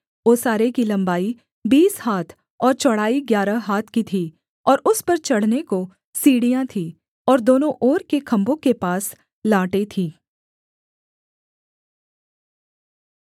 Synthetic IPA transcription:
oːsaːɾekilɐ̃mbaːi | biːshaːt̪ʰ | ɔːɾt͡ʃɔɽ̤aːiɡjaːɾəɦaːt̪ʰkit̪ʰiː | ɔːɾʊspɐɾt͡ʃɐɽ̤neko | siːɽijãt̪ʰiː | ɔːɾd̪oːnõʔɔːɾkekʰɐ̃mbõkepaːs | laːʈet̪ʰiː

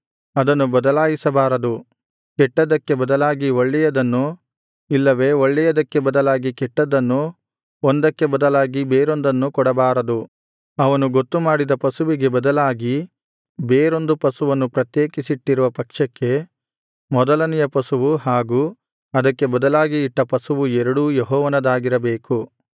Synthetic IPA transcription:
ɐd̪ɐnːubɐd̪ɐlaːjisɐbaːɾɐd̪u | kɛʈːɐd̪ɐkːe̞bɐd̪ɐlaːɡioɭːɛjɐd̪ɐnːu | ilːɐʋe̞ːoɭːɛjɐd̪ɐkːe̞bɐd̪ɐlaːɡikɛʈːɐd̪ɐnːu | ond̪ɐkːe̞bɐd̪ɐlaːɡibeːɾo̞nd̪ɐnːukɔɽɐbaːɾɐd̪u | ɐʋɐnuɡot̪ːumaːɽid̪ɐpɐsuʋiɡe̞bɐd̪ɐlaːɡi | beːɾo̞nd̪upɐsuʋɐnːupɾɐt̪jeːkisiʈːiɾuʋɐpɐkʂɐkːe̞ | mɔd̪ɐlɐnijɐpɐsuʋuɦaːɡuː | ɐd̪ɐkːe̞bɐd̪ɐlaːɡiːʈːɐpɐsuʋuɛɾɐɽujeɦɔːʋɐnɐd̪aːɡiɾɐbe̞ːku

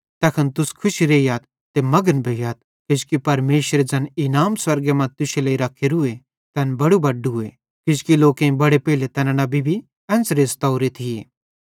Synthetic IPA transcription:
t̪ɛːkʰɐnt̪ʊskʰʊʃiɾeːjaːt̪̚ːemɐɡənbʱeːɡjaːt̪̚ | kɪskipɐɾmeːʃɾed͡ʒɐnɪnaːmswɐɾɡemɐ̃t̪ʊʃeleːiɾɐkʰːeɾue | t̪ɛːnbɐɽubɐɖʊe | kɪskiloːkẽĩbɐɽepeːɪlet̪ɛːnanɐbʱibʱi | ɛ̃ːnsɾeːst̪ɐʊɾet̪ʰieː

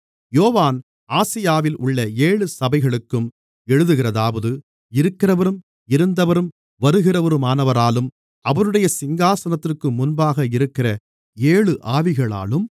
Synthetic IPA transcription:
joːʋaːn | aːsɪjaːʋɪlʔʊɭːɐeːɭɯsɐbɐɪɣɐɭɯkːɯm | ɛɻɯðɯɣɪrɐðaːʋɐðɯ | ɪɾɯkːɪrɐʋɐɾɯm | ɪɾɯnd̪ɐʋɐɾɯm | ʋɐɾɯɣɪrɐʋɐɾɯmaːnɐʋɐɾaːlɯm | ɐʋɐnɯɽɐjɐsɪŋɡaːsɐnɐt̪ːɪrkːɯmʊnbaːɣɐɪɾɯkːɪrɐ | eːɭɯʔaːʋɪɣɐɭa̰ːlɯm

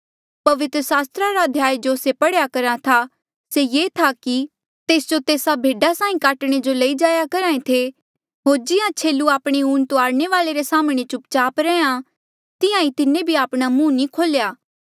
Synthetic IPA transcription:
pɐʋɪt̪ɾəsaːst̪ɾaɾad̪ʱjaːjd͡ʒoːsepɐɽjakɐɾat̪ʰa | sejeːt̪ʰaki | t̪eːsd͡ʒot̪eːsabʱeːɖasãːĩkaːʈɽ̃ed͡ʒolɐid͡ʒaːjakɐɾaːẽt̪ʰe | ɦoːɾd͡ʒɪjãt͡ʃʰeːlːuaːpɽ̃euːnt̪oaːɾñeʋaːleɾesaːmɽ̃et͡ʃʊpt͡ʃaːpɾɛːã | t̪ɪjãit̪ɪnẽbʱiaːpɽ̃amũːnikʰoːljaː

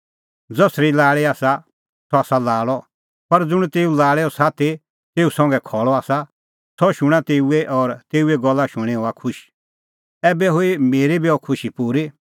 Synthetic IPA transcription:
d͡zɔsɾilaːɭeaːsa | sɔaːsalaːɭɔ | pɐɾd͡zʊɽ̃t̪eːulaːɭɛɔsaːt̪ʰe | t̪eːusɐ̃ŋɡɛkʰɔɭɔaːsa | sɔʃʊɽ̃at̪eːuɛʔɔːɾt̪eːuɛɡɔlːaʃʊɽ̃ɛ̃ɦoakʰʊʃ | ɛːbɛɦoimeːɾebiɔkʰʊʃipuɾi

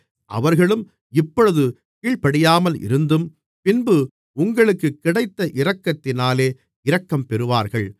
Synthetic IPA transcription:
ʔɐ̰ʋɐɾɣɐɭɯm | ɪpːɔɻɯðɯ | kiːɭpɐɽɪjaːmɐlɪ̰ɾɯnd̪ɯm | pɪnbɯ | ʊŋɡɐɭɯkːɯkːɪɽɐɪt̪ːɐʔɪɾɐkːɐt̪ːɪnaːleː | ɪɾɐkːɐmpɛɾɯʋaːɾɣɐɭ

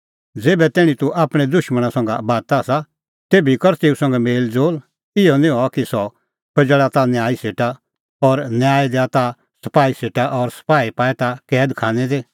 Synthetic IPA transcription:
d͡zeːbɛt̪ɛːɽ̃ĩt̪uʔaːpɽ̃ɛd̪ʊʃməɽ̃ãsɐ̃ŋɡa̰baːt̪aːsa | t̪eːbikɔɾt̪eːusɐ̃ŋɡɛmeːld͡zoːl | ɪɔnĩɦɔakisɔ | pʰɐd͡ʒəɭat̪anjaːiseːʈa | ɔɾnjaːid̪ɛat̪a | sɐpaːiseːʈaʔɔɾsɐ̥paːipaːɛt̪akɛːd̪kʰãːnɛd̪eː

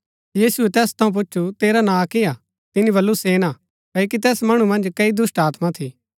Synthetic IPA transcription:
jiːsʊɛt̪ɛːst̪ʰɐũp̬ʊt͡ʃːʰut̪eːɾanãːkɪja | t̪ɪniβɐlːuseːna | kɐːokit̪ɛːsmɐɽ̃umɐ̃nd͡ʒkɐid̪ʊsʈaːt̪mat̪ʰiː

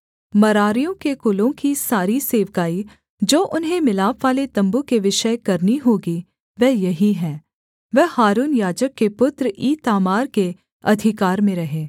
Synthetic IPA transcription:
mɐɾaːɾijõkekʊlõkisaːɾiseːʋkaːi | d͡ʒoːʔʊnɦẽmɪlaːpʋaːlet̪ɐ̃mbukeʋɪʃəkɐɾniɦoːɡi | ʋɛːjɐɦiɦɛ̃ː | ʋɛhaːɾuːnjaːd͡ʒəkːepʊt̪ɾʔiːt̪aːmaːɾke | ɐ̰d̪ʱɪkaːɾmẽɾɐɦeː

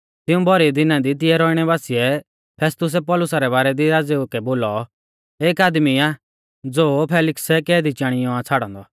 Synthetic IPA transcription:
t̪ɪũbʱɔɾid̪ɪnãd̪it̪̬ɪɛɾɔːɪɽ̃ɛbaːsiɛ | pʰɛːst̪ʊs̬ɛpɔːlʊsaɾɛβaːɾɛd̪iɾaːd͡zeukɛboːlɔ | eːkaːd̪miaː | d͡zoːpʰɛːlɪksɛkɛːd̪it͡ʃãːɽ̃ɪjɔ̃at͡sʰaːɽɔ̰̃ːnd̪ɔ

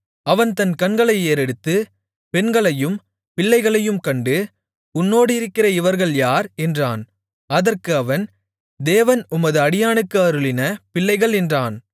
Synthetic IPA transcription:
ɐʋɐnt̪ɐnkɐnɡɐɭɐɪeːɾɛɽɯt̪ːɯ | pɛnɡɐɭɐjɯm | pɪɭːɐɪɣɐɭɐjɯmkɐɳɖɯ | ʊnːoːɽɯɪɾɯkːɪrɐɪʋɐɾɣɐɭjaːɾɛndraːn | ɐðɐrkɯɐʋɐn | d̪eːʋɐnʊmɐðɯɐɽɪjaːnɯkːɯɐɾɯɭɪnɐpɪɭːɐɪɣɐɭɛndraːn

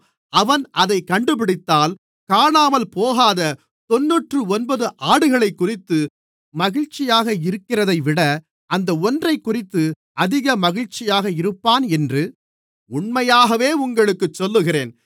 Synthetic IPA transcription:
ɐʋɐnɐðɐɪkːɐɳɖɯp̬ɪɽɪt̪ːaːl | kaːɳaːmɐlpoːɣaːðɐ | t̪ɔnːuʈrɯɔnbɐðɯʔaːɽɯɣɐɭɐɪkːʊrɪt̪ːɯ | mɐɣɪɻt͡ʃːɪjaːɣɐɪɾɯkːɪrɐðɐɪʋɪɽɐ | ʔɐnd̪ɐɔndrɐɪkːʊrɪt̪ːɯ | ɐðɪɣɐmɐɣɪɻt͡ʃːɪjaːɣɐɪɾɯpːaːnɛndrɯ | ʊɳmɐjaːɣɐʋeːʊŋɡɐɭɯkːɯt͡ʃːɔlːɯɣɪreːn

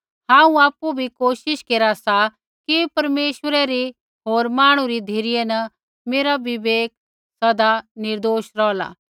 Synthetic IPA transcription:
ɦãːũaːpubʱikoːʃɪʃkeːɾasa | kipɐɾmeːʃʋəɾɛɾi | ɦoːɾmaːɽ̃ũɾid̪ʱiɾɪjɛnɐ | meːɾaʋɪʋeːk̚ | sɐd̪anɪɾd̪oːʃɾɔːla̰ː

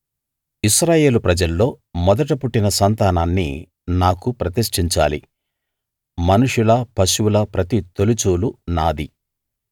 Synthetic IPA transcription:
iʃɾaːje̞ːlupɾɐd͡ʒɐlːo̞ː | mɔd̪ɐʈɐpuʈːinɐsɐnt̪aːnaːnːḭ | naːkupɾɐt̪iʂʈiɲt͡ʃa̰ːlḭ | mɐnuʂulɐpɐʃuwulɐpɾɐt̪it̪olut͡ʃuːlunaːd̪i

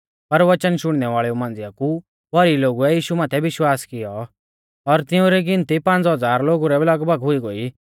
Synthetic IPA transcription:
pɐɾʋɐt͡ʃənʃʊɽ̃nɛʋaːɭɛumãːn̆d͡zɪjaku | bʱɐɾiloːɡuɛjiːʃumaːt̪ʰɛʋɪʃwaːskɪjɔ | ɔɾt̪ɪũɾɛɡɪ̃nt̪ipãːnd͡zɦɐd͡zaːɾloːɡuɾɛblɐɡbɐɡɦʊiɡoːi

